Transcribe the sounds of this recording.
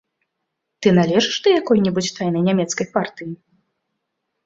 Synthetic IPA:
t̪ɨnalʲɛʐɨʂd̪ɐjakɔjnʲɛbut͡sʲt̪ajnɐjnʲamʲɛt̪skɐjpart̪ɨji

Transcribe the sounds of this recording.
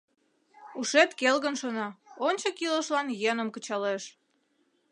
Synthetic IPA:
uʃet̪kelɣənʃonɑonʲt͡ɕəkiləʃlɑnjenəmkət͡ɕɑleʃ

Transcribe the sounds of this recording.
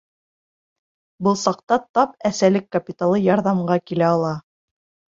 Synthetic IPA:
bɤlˠsɑqt̪ɑt̪ɑp̚æsælɘkːɐpʲit̪alˠɤjɑɾðɑmɢɑkilæɑlˠɑ

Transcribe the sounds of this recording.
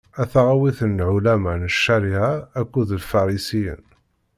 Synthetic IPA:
æθaʁawiθənːʕulæmænəʃːæɾiʕaːkːuðlfɑɾˤisijə̰n

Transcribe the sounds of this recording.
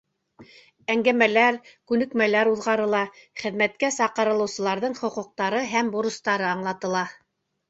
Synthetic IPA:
æŋɡæmælæɾkʉnɘ̆kmælæɾuðʁɑɾɤ̆lˠɑχɘ̆ðmæt̪̚kæsɑqɤ̆ɾɤ̆lˠɤ̆wsɤ̆lˠɑɾðɤɴχŏquq̚t̪ɑɾɤɦæmbuɾɤ̆st̪ɑɾɤɑɴlˠɑt̪ɤ̆lˠɑ

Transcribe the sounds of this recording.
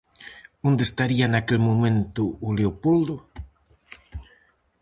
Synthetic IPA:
õnd̪est̪aɾianakelmõmẽnt̪ʊːleopold̪ʊ

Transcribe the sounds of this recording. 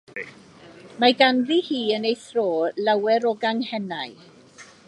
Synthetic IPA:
maɡanðihiːənejθroːlawɛɾɔɡaŋhɛnaj

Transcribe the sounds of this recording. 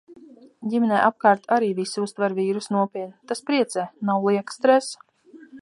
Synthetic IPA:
ɟʲimʲɛnɛːʔap̚kaːɾt̪aɾiːvisiust̪vaɾviːɾusnuɔpʲiɛt̪ʲt̪aspɾiɛt̪sɛːnawlˠiɛkst̪ɾɛs

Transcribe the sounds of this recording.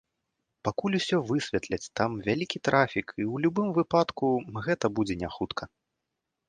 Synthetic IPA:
pakulʲusʲɔvɨsʲvʲɛt̪lʲɐt͡sʲt̪amvʲalʲikʲit̪ɾʔafʲikʰiwlʲubɨmvɨpat̪kuɣɛt̪ɐbud͡zʲɛnʲaxut̪kʰɐ

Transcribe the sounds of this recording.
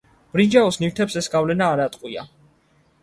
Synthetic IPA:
b̥ɾid͡ʒaɔsniɾt̪ʰɛpsɛsɡavlɛnaːɾat̪ʼqʼwia̰

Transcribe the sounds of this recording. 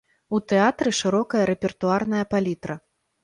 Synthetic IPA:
ut̪ɛat̪ɾɨʂɨɾɔkɐjɐɾɛpʲɛrt̪uarnɐjɐpalʲit̪ɾɐ

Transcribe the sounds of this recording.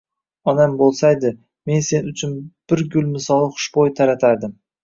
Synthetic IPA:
ɒnambolˠsajd̪ɪ | me̞nse̞nʊt͡ʃʰʊnb̥ɪɾɡʲʊlˠmɪsɒlˠχʊ̥ʃbojt̪ʰaɾat̪ʰaɾd̪ɪm

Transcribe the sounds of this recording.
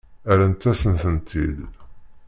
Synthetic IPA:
æɾænt̪ːæsənθənt̪ʰḭð

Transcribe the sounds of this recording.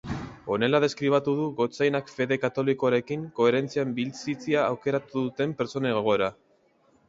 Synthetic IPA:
o̞ne̞lað̞e̞skɾiβ̞at̪uð̞uɣo̞t͡sajnakfe̞ðe̞kat̪o̞liko̞aɾe̞kiŋko̞e̞ɾe̞nt͡siambilt͡sit͡siaːwke̞ɾat̪uðut̪e̞mpe̞ɾt͡so̞neɣoɣ̞o̞eɾa

